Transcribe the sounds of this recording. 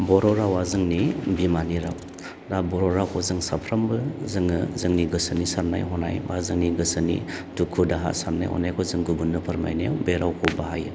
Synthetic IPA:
bɔɾɔɾawazɯŋnibimaniɾaw | dabɔɾɔɾakʰɔzɯŋsapʰɾambɯzɯŋɯzɯŋniɡɯsɯnisaɾna̰jɦɔna̰jbazɯŋniɡɯsɯnḭdukʰudaɦa̰saɾna̰jhɔ̰najkʰɔzɯŋɡubunːɯpʰɯɾma̰jnewbeɾawkʰɔbaɦaj

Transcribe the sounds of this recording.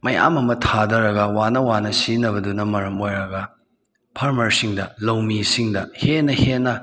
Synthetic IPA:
mɐja̰mɐmɐtʰadɐɾɐɡɐwanɐwanɐsinɐβɐdunɐmɐɾɐmojɾɐɡɐ | pʰaɾmɐɾsiŋdɐlɐwmisiŋdɐhenːɐhenːɐ

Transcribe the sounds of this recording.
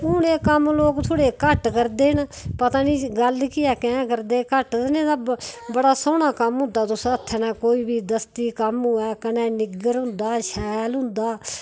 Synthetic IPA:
ʊneːkəmloːkt̪ʰoːɽeːkəʈkəɾd̪eːnpət̪aːniːɡəlkɪjaːkɛ̃ːkəɾd̪eːkəʈ̪nẽːd̪abəɽaːsoːnaːkəmɦʊ̃nd̪aːt̪ʊsət̪ʰːɛːnãːkoːiːbiːd̪əst̪iːkəmʊɛːkənɛ̃ːnɪɡəɾɦʊ̃nd̪aːʃɛːlɦʊ̃nd̪aː

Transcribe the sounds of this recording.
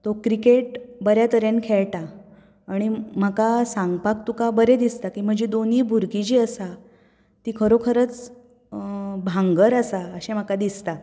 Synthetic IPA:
t̪okɾikeʈ̚bəɾjat̪əɾjankʰeɭʈaː | ɽ̃im̤əkasãŋɡpak̚t̪ukabəɾed̪ist̪akiːm̤əd͡ʑed̪oniːbʱuɾkid͡ʑiːəsa | t̪iːkʰəɾokʰəɾət͡s | bʱãŋɡəɾəsaəɕem̤əkad̪ist̪a

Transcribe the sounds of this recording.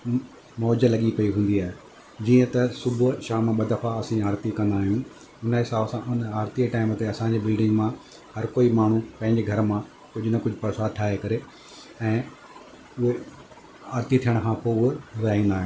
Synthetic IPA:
mɔːd͡ʑəlɐɠipɐiɦũːn̆d̪iaːɦe | d͡ʑiːə̃t̪ɐsʊbʱʊʃaːmãɓɐd̪ɐfaɐsĩaːɾt̪ikɐ̃nd̪aːɦijũ | ʊnɦɪsaːbsãʔʊnaːɾt̪iʈaːɪmt̪eɐsãɲd͡ʑeːbɪlɖɪ̃ŋɡmã | hɐɾkoːimaːɳ̤ũpɐ̃ɦɪ̃ɲd͡ʑeɡʱɐɾmã | kʊd͡ʑʱʊnɐkʊd͡ʑʱʊpɐɾsaːʈʰaːɦekɐɾe | ɛ̃ː | ʊɦe | aːɾt̪it̪ʰijəɽ̃kʰãːpoʊɦeɾɐɦĩːnd̪aːɦĩ

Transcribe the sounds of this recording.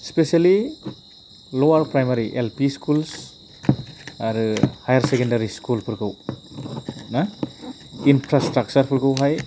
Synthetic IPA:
spesiali | lɔwaɾpɾajmaɾiʔelpiskuls | aɾɯhajaɾsekendaɾiskulpʰɯɾɡaw | na | inpʰɾastɾak̚t͡ʃaɾpʰɯɾɡawɦaj

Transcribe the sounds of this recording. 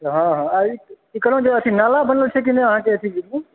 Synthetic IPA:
ɦãɦãai | ikəlõd͡ʒeət̪ʰinalabənəlt͡ʃʰɛkineəɦãkeət̪ʰĩ

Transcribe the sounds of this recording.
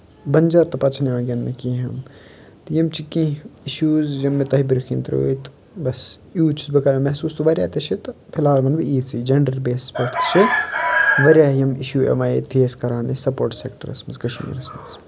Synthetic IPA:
bɐnd͡ʒɐɾt̪ɐpɐt͡ʃʰneãːɡʲɐnmekiɦɐm | t̪jɐmt͡ʃʰikːĩiʃuːzjɐmːet̪ɐɦibiɾɐkʰint̪ɾo̰ːjt̪ | bɐsjuːt͡ʃʰi̥sbɐkɐːɾemɛɦsuːst̪ʰuʋɐɾʲa̰ːt̪ɐt͡ʃʰit̪pʰɪlaːɾbɐnbiiːsiːd͡ʒɐɳɖɐɾbeːsspɐʈʰt̪t͡ʃʰi | ʋɐɾʲaːjɐmiʃuːḛmaːjḛt̪fʰeːskɐɾaːnesɐpoːɾʈsekʈɐ̰ɾɐ̰smɐzkɐʃmḭːɾɐsmɐ̰z

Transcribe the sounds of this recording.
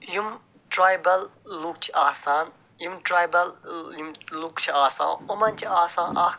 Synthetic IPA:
jum | ʈɾaːjbɐlːuk̚t͡ʃʰiʔaːsaːn | jumʈɾaːjbɐljumlukt͡ʃʰiaːsã̰ːomɐnt͡ʃʰiaːsãːnʔaː

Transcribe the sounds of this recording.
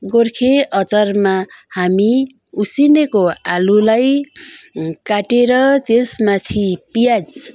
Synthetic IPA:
ɡorkʰeʔʌt͡sʌrmahami | usinekoalulaj | kaʈeɾʌt̪esmat̪ʰipijad͡z

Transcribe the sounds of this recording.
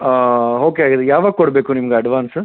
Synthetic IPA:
ɦoːkeaːɡid̪ejaːʋaːɡ̚kɔɽbeːkunimɐɡeɐɖʋaːns

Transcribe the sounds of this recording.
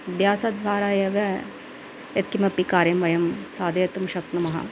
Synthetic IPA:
bjaːsɐd̪ʋaːɾaːjɐʋɐ | et̪kimɐpikaːɾjɐmʋɐjɐmsaːd̪ɐjɐt̪umʃɐk̪̚nɐmɐɦɐ̰

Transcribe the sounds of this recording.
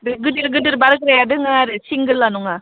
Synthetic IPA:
dɯɡɯdɯɾɡɯdɯɾbaɾɯk̚ɾajadɯŋaɾɯsiŋɡɯɾlanɔŋa

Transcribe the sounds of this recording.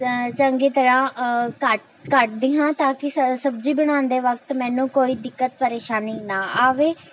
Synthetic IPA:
t͡ʃəŋɡeːt̪əɽãːkəʈ̚ | kəʈ̚d̪ɪːɦãːt̪ãːkɪssəbd͡ʒiːbəɽ̃ãːnd̪eːʋək̚t̪mɛ̃ːnũːkoːiːd̪ɪkːət̪̚pəɾeːʃaːniːnaːaːʋeː

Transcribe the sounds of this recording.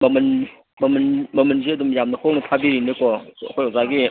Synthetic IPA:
mɐmɐn | mɐmnmɐmɐnziɐdumjamnɐkʰoŋnɐpʰabiɾinɯkɔ̰kʰojɔwzaɡi

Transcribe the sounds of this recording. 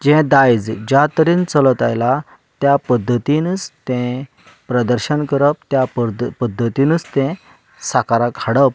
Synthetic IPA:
d͡ʑɛ̃d̪ajd͡zd͡ʑat̪əɾiːnt͡sələt̪ajla | t̪japəd̪ʱːət̪int͡st̪ɛ̃ | pɾəd̪əɾɕənkəɾəp̚t̪japəd̪ʱːət̪inət͡st̪ɛ̃ | sakaɾakʰaɽəp̚

